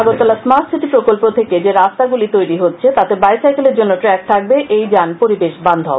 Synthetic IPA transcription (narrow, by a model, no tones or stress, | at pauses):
aɡoɾt̪ɔlasmaɾʈsiʈipɾokolpot̪ʰeked͡ʑeɾast̪aɡulit̪ojɾiɦotːɕʰet̪at̪eɾbajsajkeleɾd͡ʑonːoʈɾɛk̚t̪ʰak̚beʔejd͡ʑanpoɾibeʃband̪ʱɔ̰